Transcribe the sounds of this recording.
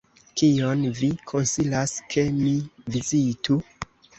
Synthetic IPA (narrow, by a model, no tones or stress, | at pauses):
kionvikʰo̞nsilaskʰe̞mivizitu